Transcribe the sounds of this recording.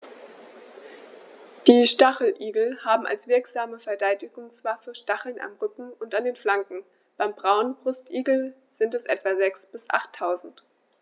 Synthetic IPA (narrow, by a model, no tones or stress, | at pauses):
d̥iːʃtaχl̩ʔiːɡl̩haːbm̩a̰lsv̥ɪɐkz̥aːməfɛɐdaɪtɪɡʊŋsv̥afəʃtaχl̩na̰mʁʏkŋ̩ʊntandeːnflaŋkŋ̩ | b̥aɪmbʁaʊnənb̥ʁʊstʔiːɡl̩ | z̥ɪntɛsʔɛ̰tv̥azɛksb̥ɪsʔa̰χtʰːaʊzn̩t